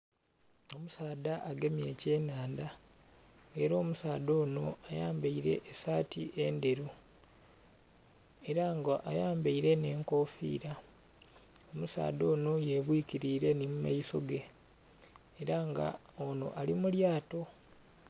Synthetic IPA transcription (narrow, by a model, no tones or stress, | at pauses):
o̞musaːd̪aʔaɡe̞mje̞ːce̞ːnaːnda | eɾo̞ːmusaːd̪o̞ːno̞ajaːmbaiɾe̞̰ʔːsaːtiʔe̞nde̞ɾu | eɾaŋɡaʔajaːmbaiɾe̞ne̞ːŋko̞ːfḭːɾa | o̞musa̰ːd̪o̞ːno̞je̞βwiːciɾiɾe̞nimuma̰iso̞̰ɡe̞ | ɾaŋɡa̰ | ono̞̰ʔalimuljaːto̞